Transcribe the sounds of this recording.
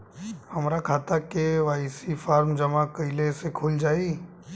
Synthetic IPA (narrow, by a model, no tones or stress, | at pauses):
həmɾakʰaːt̪akeʋaːɪsifaːɾmd͡ʒəmakəɪlesekʰʊld͡ʒaːi